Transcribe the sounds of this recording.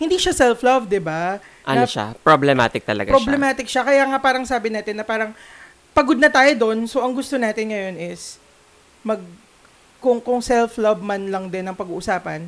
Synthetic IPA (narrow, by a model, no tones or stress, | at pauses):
hɪnd̪iːʃasɛlflɐvd̪ɪba | ʔɐ̰nʃa̰pɾoblɛma̰ːt̪ɪk̚t̪ɐlɐ̰ɡapɾoblɛmaːt̪ɪk̚ʃɐkɐjaːŋapaːɾɐŋsaːbɪnaːt̪ɪnːɐpaːɾɐŋ | pɐɡod̪̚nɐt̪aːjod̪o̞nso̞ʔɐŋɡʊst̪o̞naːt̪ɪnŋɐjo̞nɪs | mɐɡ̚ | kʊŋkʊŋsɛlflɐvmɐnlɐŋd̪ɪnːɐŋpɐɡuːʔʊsaːpɐn